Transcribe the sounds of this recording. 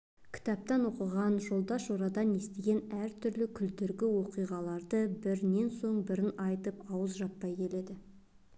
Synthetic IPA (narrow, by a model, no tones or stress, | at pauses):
kʲʰɪ̥t̪ɑp̚t̪ɑno̞qəʁɑnʒo̞lˠd̪ɑʃoɾɑd̪ɑne̞st̪eɡʲe̞næɾt̪ʰʏɾlɪkʲʰʏld̪eɾɡʲɪwo̞qijʁɑlˠɑɾd̪əbɪɾne̞nso̞ɴbɪɾɪnɑjt̪əpɑwəzʒɑt̪pːɑjkʲʰe̞le̞d̪ɪ